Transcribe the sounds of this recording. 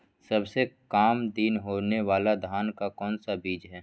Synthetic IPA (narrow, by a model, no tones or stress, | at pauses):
sɐbsekaːmd̪iːnɦoːneʋaːlad̪ʱaːnkakɔːnsabiːd͡ʒɦɛː